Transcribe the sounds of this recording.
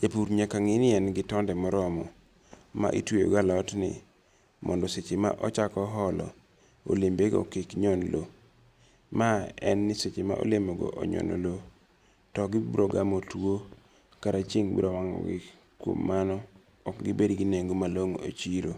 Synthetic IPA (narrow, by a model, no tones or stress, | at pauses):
d͡ʒapuɾɲakaŋɪnɪɛnɡɪtɔndɛmɔɾɔmɔ | ma̰ʔitwejo̰ɡalɔtnɪ̰ | mɔ̰ndɔset͡ʃema̰ʔɔt͡ʃakɔɦɔlɔ̰ | o̰lembeɡɔ̰kikɲɔnlo | maɛnːɪset͡ʃema̰ʔo̰lemoɡɔ̰ʔo̰ɲɔ̰no̰lo | tɔɡɪbɾɔɡamotwo | kaɾat͡ʃeŋbḭdɔwaŋɔ̰ɡɪ̰ | kwo̰mːanɔ | ɔkɡɪbedɡineŋɡomaloŋo̰t͡ʃiɾo